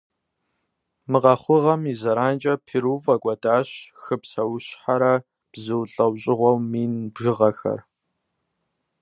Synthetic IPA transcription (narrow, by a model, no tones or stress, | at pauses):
mɨqɐχʷʊʁɐmizɐɾaːnt͡ʃʼɐpʰiɾuvɐkʷʼɔdaːɕxɨpsɐwɕħaɾɐ | b̥zɨwɬʼɐwɕʼɪʁʷɔwmiːnbʒɨʁɐxɐ̰r